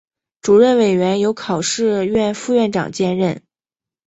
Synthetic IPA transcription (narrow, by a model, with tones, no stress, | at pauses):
ʈ͡ʂu˨˩ɻə˥˩nwe˨˩ɪɥɛ˧˥njo˧˥ʊkʰɑ˨˩ʊʂɻ̩˥˧ɥɛ˥˧nfu˥˧ɥɛ˥˩nʈ͡ʂɑ̰˨˩ŋt͡ɕjɛ˥˧nɻə˥˩n